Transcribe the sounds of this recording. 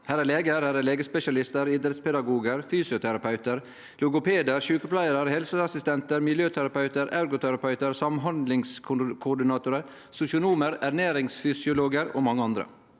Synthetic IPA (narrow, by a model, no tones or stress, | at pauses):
hæːɾɛleːɡəɾæːɾæleːɡəspɛʃɑlɪst̪əɾɪd̪ɾət̪spʰɛd̪ɑɡuːɡəɾfyːsɪʊt̪ʰæɾɑpɑʉt̪əɾ | lʊɡʊpʰeːd̪əɾʃʉːkəplæɪəɾəɾhɛlsəɑsɪst̪ɛnt̪əɾmɪljøːt̪ʰæɾɑpɑʉt̪əɾæʉɾɡʊt̪ʰæɾɑpʰɑʉt̪əɾsɑmɦɑnd̪lɪŋskʰkʰʊɖɪnɑːt̪ʊɾəɾ | sʊsɪʊnuːməɾæɾneːɾɪŋsfʏsɪʊloːɡəɾo̰ːmɑŋːəɑnd̪ɾə̰